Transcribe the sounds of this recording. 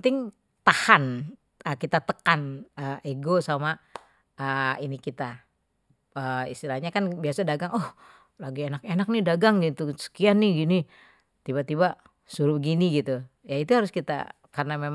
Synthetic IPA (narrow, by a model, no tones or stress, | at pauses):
t̪ɪŋ | t̪ahan | əkit̪at̪əkanəeɡosama | əinikit̪a | əḭst̪ilahɲakanbiasadaɡaŋɔh | laɡienakenak̚nɪdaɡaŋɡit̪usə̥kianːɪɡini | t̪ibat̪ibaʔ | suɾubəɡiniɡit̪u | jait̪uhaɾʊskit̪a̰ | karənamem